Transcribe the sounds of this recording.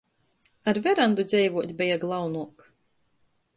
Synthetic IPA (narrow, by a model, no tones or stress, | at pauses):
aɾvʲɛɾand̪ud̪zʲɛjvuɔt̪ʲbʲɛjaɡlˠawnuɔk